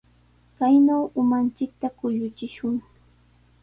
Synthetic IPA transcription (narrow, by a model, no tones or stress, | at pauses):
kajnawʊmant͡ʃɪk̚t̪akʊʎʊt͡ʃɪʃʊŋ